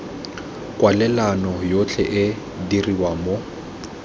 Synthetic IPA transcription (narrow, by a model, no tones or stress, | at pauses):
kʼwalɛlanɔjot͡ɬʰɛʔɪ | diriwamo